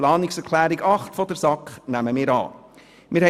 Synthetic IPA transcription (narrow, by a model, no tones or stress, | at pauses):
lɑːnɪksɛɾkʰlæːɾiɡɑχtfɔdəsɑkχnæməmɪːɾɑ̰ː | mɪːɾhɛ